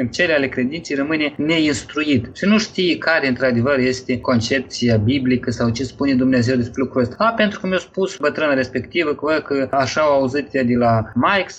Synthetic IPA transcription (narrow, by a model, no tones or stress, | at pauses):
t͡ʃe̞leale̞kɾe̞d̪intse̞jrəmɨnene̞inst̪ɾujit̪ʃinuʃt̪ijekaɾeɨnt̪ɾad̪e̞vərje̞st̪e̞ko̞nt͡ʃe̞p̚t̪sijabiblikəsawt͡ʃe̞spune̞d̪umneaze̞wd̪e̞spɾelukɾuəst̪aape̞nt̪ɾukəmʲjawspusbət̪ɾɨnaɾe̞spe̞kt̪ivəkəvəd̪̚kəaʃaawauzɨt̪jad̪elamajks